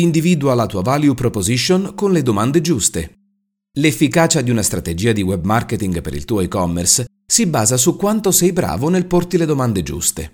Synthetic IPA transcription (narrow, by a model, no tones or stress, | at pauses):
ind̪iviːd̪ualat̪uːavaljupɾopoziʃːonkonled̪omand̪ed͡ʒust̪e | lefːikaːt͡ʃad̪iunast̪ɾat̪ed͡ʒiːad̪iwɛbmarket̪iŋɡpeɾḭlt̪uːajkɔmːɛ̰rs | sibaːzasukːwant̪osɛjbɾa̰ːvonelport̪iled̪omand̪ed͡ʒṵst̪ḛ